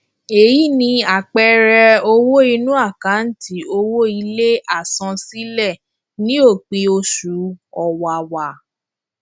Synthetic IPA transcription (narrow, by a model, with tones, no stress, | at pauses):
e˨ji˨˦nĩ˧a˨k͡pɛ˧ɾɛ˧o˧wo˦i˧nũ˦a˦˨kã˨˦n̩˦tʰi˨˦o˧wo˦i˧le˦ʔa˦˨sɔ̃˧si˦lɛ˦˨ | nĩ˦o˦˨k͡pi˧o˧ʃu˨˦ɔ˧wa˨wa˨